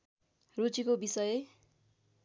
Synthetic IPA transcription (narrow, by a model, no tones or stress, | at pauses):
rut͡sikobisʌje